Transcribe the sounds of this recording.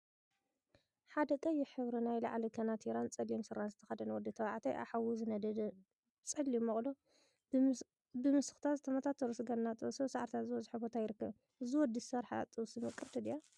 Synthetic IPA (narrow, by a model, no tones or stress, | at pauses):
ħad̪ɐkʼɐjːɪħɨβɾinajla̰ʕlikʰɐnat̪ʰiɾant͡sʼɐlijmsɨɾanzɨt̪ʰɐ̥xɐd̪ɐnwɔd̪ːit̪ʰɐwaʕt̪ʰɐjʔa̰ħawuzɨnɐd̪ɐd̪ɐ | t͡sʼɐlimːɐχʼlo | bɨmɨsɨ̥xt̪ʰazɨt̪ʰɐmɐt̪ʰat̪ʰːɐɾɨsɨɡɐnnat̪ʼɨsosaʕaɾt̪ʰazɨɔzɨħobot̪ʰajɪɾɨkːɐβ | ʔɨziwɔd̪ːisɐɾħa̰t̪ʼɨwsimɨkʼɨɾt̪ʰɐd̪ija